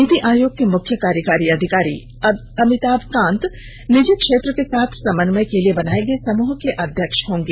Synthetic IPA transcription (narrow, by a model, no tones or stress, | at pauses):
it̪iʔaːjoːɡ̚kemʊkʰjəkaːɾjəkaːɾiɐd̪ʱɪkaːɾḭː | ɐmɪt̪aːbkãːnt̪ | nɪd͡ʒekʃeːt̪ɾəkesaːt̪ʰsɐmənməjkeliebɐnaːẽɡəesɐmuːɦkeʔɐd̪ʱjəkʃɦõːŋɡeː